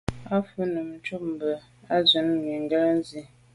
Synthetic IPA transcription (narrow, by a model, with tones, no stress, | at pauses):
a˦fə˦nə˨m˨t͡ʃu˦p̚m̩˨bə˨ | a˦zə˨˦n˦mi˨ŋ̩˦ɡə˦la˦n˦zi˦